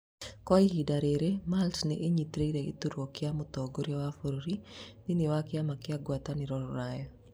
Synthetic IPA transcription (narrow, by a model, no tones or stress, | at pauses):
kɔiɦidaɾeɾemalsnɛʔeɲit̪ɾeiɾeɪ̰t̪uɾwokɪamʊt̪ɔɡoɾjawafoɾoɾinɪnɪwakɪamakɪaɡwat̪anɪɾɔɾɔɾajɔ